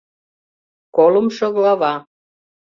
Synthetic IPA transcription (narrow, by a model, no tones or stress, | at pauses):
kolə̆mʃŏɣlɑβɑ